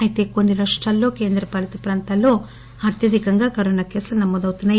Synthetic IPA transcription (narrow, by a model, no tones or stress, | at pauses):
ɐjit̪e̞ːkonːiɾaːʂʈɾaːlːo̞ːke̞ːnd̪ɾɐpɐlit̪ɐpɾaːnt̪aːlːo̞ː | ɐɾt̪jɐd̪ʱikɐŋɡaːkɐɾoːnakeːsulnɐmoːd̪ɐwut̪unːaː